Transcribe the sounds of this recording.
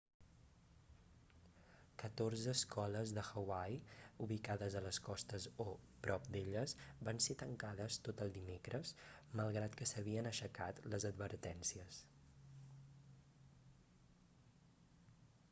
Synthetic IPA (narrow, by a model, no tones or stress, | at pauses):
kət̪orzəːskʰɔləzðəxəwajuβikaðəzələskɔst̪əzopɾɔp̚d̪eʎəzbanset̪əŋkaðəst̪ot̪əlˠd̪imekɾəzməlˠɣɾat̪kəsəβiənəʃəkat̪ləzəd̪̚βəɾt̪ɛnsiəs